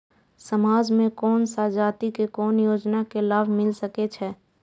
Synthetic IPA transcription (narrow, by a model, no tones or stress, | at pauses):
səmaːd͡ʒmẽkɔːnsaːd͡ʒaːt̪ikekɔːnjoːd͡ʒnakelaːbʱmɪlsəket͡ʃʰɛː